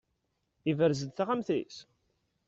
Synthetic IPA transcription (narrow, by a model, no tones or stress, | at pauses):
ivəɾzəd̪θaʁamθḭs